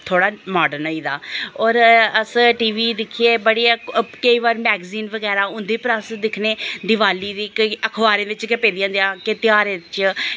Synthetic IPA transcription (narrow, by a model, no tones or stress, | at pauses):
t̪ʰoːɽaːmaːɖənoːiːd̪a̰ːɔːɾəsʈiːʋiːd̪ɪkʰːieːbəɽiːkəiːʋaːɾmɛːɡziːnʋəɡɛːɾaːʊ̃nd̪eːpəɾəsd̪ɪkʰneːd̪ɪʋaːliːd̪iːkəkʰʋaːɾẽːʋɪt͡ʃɡəpeːd̪ijãːnd̪eaːket̪ɪjaːɾeːɪt͡ʃ